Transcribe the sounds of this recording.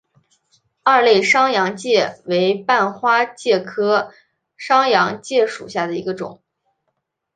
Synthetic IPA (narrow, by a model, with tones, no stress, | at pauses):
a˥˧le˥˩ɪʂɑ˥ŋjɑ˧˥ŋt͡ɕjɛ˥˩we˧˥ɪpa˥˩nxwa˥t͡ɕjɛ˥˩kʰɤ˥ | ʂɑ˥ŋjɑ˧˥ŋt͡ɕjɛ˥˩ʂṵ˨˩ɕja˥˩d̪ə˩ḭ˧˥ɡə˧ʈ͡ʂʊ̰˨˩˦ŋ